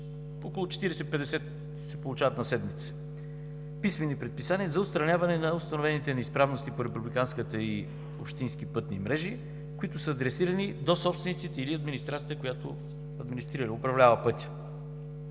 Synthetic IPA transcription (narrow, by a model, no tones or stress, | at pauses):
okolˠʊt͡ʃɛ̥t̪iɾɛsɛt̪ipɛd̪ɛsɛt̪ | sɛpolˠʊt͡ʃavɐt̪nɐsɛd̪mit̪sə̥ | pismɛnipɾɛt̪̚pisaniəzɐʊt̪st̪ɾɐnʲavɐnɛnɐʊst̪ɐnovɛnit̪ɛnɐispɾavnost̪ipoɾɛpublikanskət̪əi | o̰pʃt̪inskipɤt̪nḭmɾɛʒi | kʊit̪ʊsəːd̪ɾɛsiɾɐnid̪osɔpst̪vɛnit̪sit̪ɛiliɐd̪minist̪ɾat̪ʲjət̪əkʊjat̪o̰ | ɐd̪minist̪ɾiɾəliʊpɾɐvlʲavəpɤt̪ʲə̥